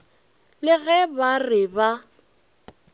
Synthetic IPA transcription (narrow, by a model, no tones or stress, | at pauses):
lɪɣɛbarɪba